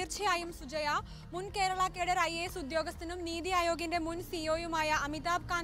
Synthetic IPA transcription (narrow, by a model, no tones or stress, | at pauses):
iɾt͡ʃʰijaːjumsud͡ʒɐjaː | munkeːɾɐɭaːkeːɽɐɾajeːsud̪joːɡɐst̪inumniːd̪iaːjoːɡjindemunsiːoːjumaːjɐʔɐmit̪aːb̚kaː